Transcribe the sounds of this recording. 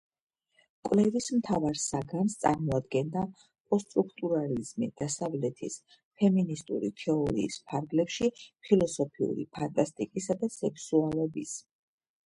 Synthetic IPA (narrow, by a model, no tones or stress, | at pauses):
kʼwlɛvismt̪ʰavaɾsaɡanst̪sʼa̰ɾmɔad̪̚ɡɛnd̪a | pʼɔst̪ʼɾukʰt̪ʼuɾalizmid̪̥asavlɛt̪ʰḭs | pʰɛminist̪ʼṵɾit̪ʰɛɔɾḭːspʰaɾɡlɛpʃipʰilˠɔsɔpʰiṵɾḭpʰant̪ʼast̪ʼikʼisad̪asɛkʰsualɔbis